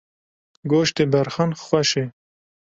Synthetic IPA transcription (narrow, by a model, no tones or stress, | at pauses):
ɡoːʃt̪ebɐɾxanxwɐʃe